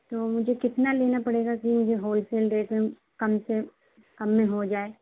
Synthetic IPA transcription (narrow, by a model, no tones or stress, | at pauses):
t̪oːmʊd͡ʒʱekɪt̪naleːnapɐɽeːɡakimʊd͡ʒʱeɦoːlfeːlɖeːʈmẽ | kɐmse | kɐmːẽɦod͡ʒaːeː